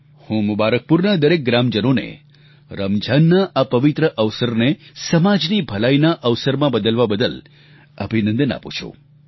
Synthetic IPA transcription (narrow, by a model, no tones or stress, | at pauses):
hũmʊbaɾək̚puɾnad̪əɾek̚ɡɾamd͡ʒənonḛ | ɾəmd͡ʒʱanːaʔapəʋit̪ɾəʔəʋsəɾnesəmad͡ʒnibʱəlajnaʔəʋsəɾmãbəd̪əlʋabəd̪əl | əbʱinə̃nd̪əna̰pṵ̃t͡ʃʰṵ